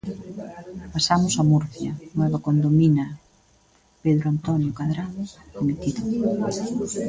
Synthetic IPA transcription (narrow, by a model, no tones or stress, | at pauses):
pasamʊsɐmuɾθjɐ̰nwɛβɐkond̪ominɐ | peðɾoant̪ɔnjʊkaðɾaðkomet̪iðʊ